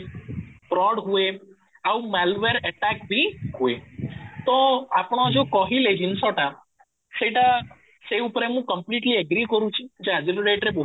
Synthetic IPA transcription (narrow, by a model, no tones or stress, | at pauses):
pɾɔɽɦue | aũmalʋeɾəʈakbʱihuet̪oapɳ̃od͡ʒokɔɦiled͡ʒinsɔʈa | seʈa | seupɾemũkəmpliʈliəɡɾikəɾũt͡ʃʰid͡ʒead͡ʒiɾɖeʈɾebo